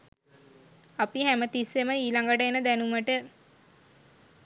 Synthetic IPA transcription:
apihæmət̪iseməiːlaŋɡəʈəenəd̪ænuməʈə

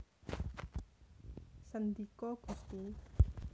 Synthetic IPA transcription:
sand̪ikɔɡ̥ṳst̪i

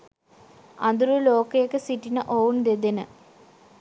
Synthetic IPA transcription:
ɐnd̪uɾuloːkːɐjekːɨsiʈːinɨʔoːwnd̪ed̪ɐnɨ

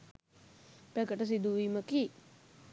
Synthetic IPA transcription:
pækəʈəs̬id̪uʋiːməki

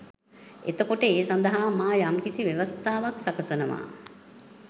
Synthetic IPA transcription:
ḛt̪əkoʈəeːsand̪əɦaːmaːjamkisiʋeʋɐst̪aːʋaksakəsənəʋa̰ː

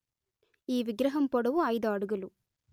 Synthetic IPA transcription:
iːʋɪɡɾɐɦɐmpɔɽɐʋuɐjðaːɽɯɣɐɭu

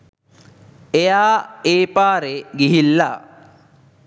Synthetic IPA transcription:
ejaːeːpaːɾeɡiɦilːa

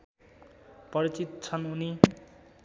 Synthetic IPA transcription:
pʌɾit͡sit̪t͡sʰʌnuni

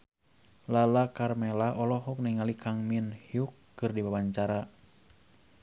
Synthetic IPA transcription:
lalakarmɛlaɔlɔɦɔk̚niŋalikʰaŋminhiukːɨrdibabaɲt͡ʃaɾa

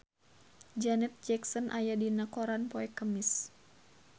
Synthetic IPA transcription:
d͡ʒanɛt̪̚d͡ʒɛksɔnʔajadinakɔɾanpɔɛkːəmis

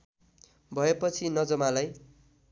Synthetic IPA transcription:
bʱʌepʌt͡sʰinʌd͡zʌmalaj

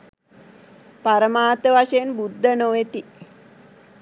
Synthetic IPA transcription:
paɾəmaːt̪əʋaʂeenbud̪ʱːənoʋet̪i

